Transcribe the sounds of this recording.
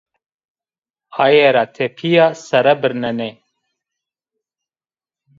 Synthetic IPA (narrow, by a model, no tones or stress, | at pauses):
ajeɾat̪ʰepʰijaːsɐɾɐbɨɾnɛne